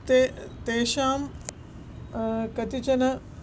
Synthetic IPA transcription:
t̪et̪eːʃaːm | kɐt̪it͡ʃɐnɐ

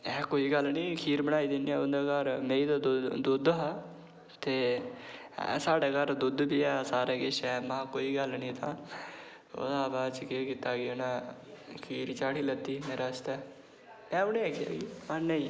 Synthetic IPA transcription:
ɛːkoːiːɡəlːnĩːkʰiːɾbəɽaːiːd̪ɪniːɛʊnd̪aːɡəɾmẽːiːd̪ad̪d̪ʊd̪ɦaː | t̪ḛː | saːɖeːɡəɾd̪ʊd̪biːɛːsaːɾeːɡɪʃɛːmãːkoːiːɡəlnĩːt̪ãː | o̰ːd̪aːbaːt͡ʃkeːkɪt̪aːɡɪʊnɛːkʰiːɾt͡ʃaːʈiːlət̪ːiːmeːɾaːst̪ɛː | ɛ̃ːʊnẽːkʰɪja̰ːɡiːmənnəĩː

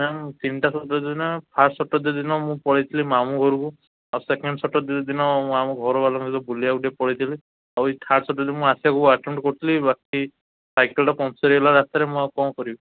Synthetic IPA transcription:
amt̪inʈasɔʈɔd̪nɔpʰaʈsɔʈɔd̪ed̪inɔmũpɔɽijt̪ʰilimamũɡʱɔɾuku | awsekeɳɖɔsɔʈɔd̪d̪inɔmũamũɡʱɔɾɔbalɔ̃ŋkit̪ɔbuliakuʈepɔɽijt̪ʰili | awt̪ʰaʈsɔʈɔd̪inɔmũasibakuaʈem̃ɳʈkɔɾt̪ʰilibaki | sajkelʈɔpɔ̃sɔɾiɛlaɾat̪aɾemũakɔ̃kɔɾibɔ

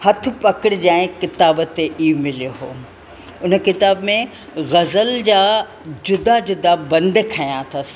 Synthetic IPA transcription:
hɐt̪ʰɪ̆pɐkɪɽɪd͡ʑãːɪ̃kɪt̪aːbt̪eʔiʊmɪlijoɦo̰ː | ʊnəkɪt̪aːbmẽ | ɣɐzəld͡ʑaː | d͡ʑʊd̪ʱad͡ʑʊd̪abɐ̃nd̪kʰɐjãt̪ʰɐs

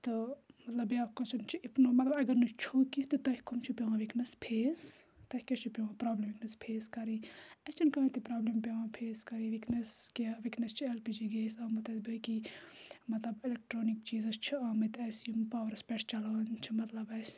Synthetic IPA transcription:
t̪ɨmɐt̪lɐbjaːkɐt͡ʃʰunt͡ʃʰiipnumɐt̪lɐbɐɡɐɾnut͡ʃʰukit̪ɨt̪ɐhikumt͡ʃʰupʲeʋãʋiknɐspʰeːst̪ɐkʲɐt͡ʃʰupʲeʋãpɾaːblemʋiknɐspʰeːskɐɾiɐt͡ʃʰinkɐɐt̪ipɾaːblempʲeʋãːpʰeːskɐɾiʋiknɐskaʋiknɐst͡ʃʰielpid͡ʒiɡeːsaːmɐt̪ɐbɐki | mɐt̪lɐbilek̚ʈɾoːnik̚t͡ʃiːzɐst͡ʃʰiaːmɐt̪ɐsjumpaːɾɐspʲɛʈʰt͡ʃɐlaːnt͡ʃʰimɐt̪lɐbɐs

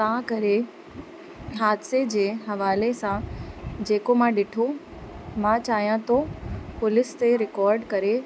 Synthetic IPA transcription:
t̪ãkɐɾe | ɦaːd̪sed͡ʑeːɦɐʋaːlesãd͡ʑeːkomãɗɪʈʰo | mãt͡ɕaːɦijãt̪ʰopʊlɪst̪eɾɪkɔːɾɖkɐɾe

